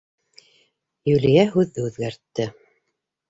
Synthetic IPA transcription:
jʉlijæɦʉðːɘʉðɡæɾt̪ːɘ

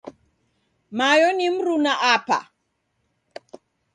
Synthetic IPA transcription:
majɔnim̩ɾunaʔapa̰

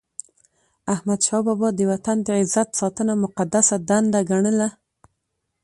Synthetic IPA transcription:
ahmad̪ʃɑbɔbɔd̪əwat̪and̪əɪzat̪sɑt̪ənamʊqad̪asad̪and̪aɡaɳəla

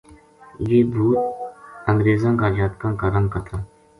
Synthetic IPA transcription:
jeːbʱuːt̪əŋɡɾeːzãːɡaɾd͡ʒaːt̪kãːkaɾə̃nkət̪ɾãː

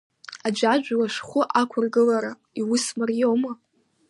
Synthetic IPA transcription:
ad͡ʒʷad͡ʒᶣʷlaʂχʷʊʔakʷʰʊrɡɨlaɾa | iwʊsmarjoma

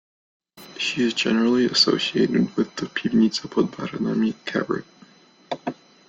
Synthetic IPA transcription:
ʃiɨzd͡ʒɛnə˞l̩ˠiɨsoʊsieɪɾɨd̚wɪðɨpʰibnisəpʰɔd̚baɾɨnə̃mikʰɛ̰bɹɨ̰k̚

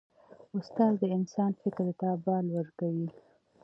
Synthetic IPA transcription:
ʊst̪ɑzd̪əɪnsɑnfɪkɾt̪ɑbɑlwəɾkawi

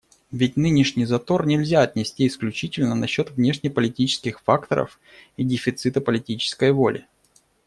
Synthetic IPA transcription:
vʲɪt̚ʲnɨnʲɪʂnʲɪjzɐt̪o̞rnʲɪlʲzʲaɐt̪ʲnʲɪsʲtʲiɪsklʲʉt͡ɕitʲɪlʲnənɐɕːo̞t̪vnʲe̞ʂnʲɪjpəlʲɪtʲit͡ɕɪ̥skʲɪxfakt̪ə̰ɾə̰f | idʲɪfʲɪt̪sɨt̪əpəlʲɪtʲit͡ɕɪ̥skəjvo̞lʲʔɪ̰

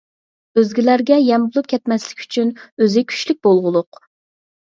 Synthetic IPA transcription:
øzɡʲilæɾɡʲɛjɛmbulˠup̚kʲʰɛt̪mɛslɪ̥kʲy̥t͡ʃʰynøzɪkʲʰy̥ʃlyk̚ʲb̥olˠʁʊlˠʊq

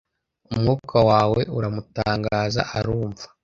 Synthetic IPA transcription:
umŋuːkʰawaːwe̞̰ʔuɾamutaːŋɡaːza̰ʔaɾuːɱvḁ

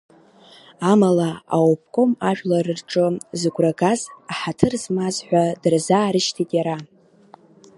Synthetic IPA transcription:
amalaa̰wpʰkʷʼo̞maʒᶣʷlaɾɨrʈ͡ʂʼɨzɨɡʷʼraɡazaħatʰɨrzmazħʷᶣadɨrzaːɾɨʃtʰitʼjaɾa

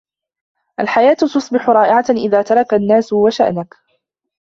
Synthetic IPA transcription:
ʔalħajaːt̪t̪ʊsˤbɪħʊɾˤɑːʔɪʕaʔɪðaːt̪ɑɾˤɑkanːaːsʊwaʃa̰ʔnak

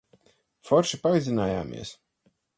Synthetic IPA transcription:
fɔɾʃipaizinaːja̰ːmḭɛs

